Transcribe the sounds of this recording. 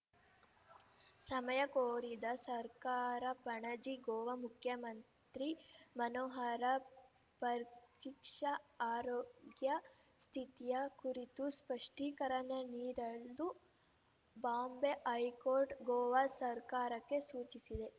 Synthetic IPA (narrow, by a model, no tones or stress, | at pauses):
sɐmɐjɐkoːɾid̪ɐsɐɾkaːɾɐpɐɳɐd͡ʒiɡoːʋɐmukʰjɐmɐnt̪ɾimɐnoːɦɐɾɐ | pɐɾkikʂɐaːɾoːɡjɐ | st̪ʰit̪ijɐkuɾit̪uspɐʂʈiːkɐɾɐɳɐniːɾɐlːu | baːmbeʔɐjkoːɾʈɡoːʋɐsɐɾkaːɾɐkːe̞suːt͡ʃisid̪e̞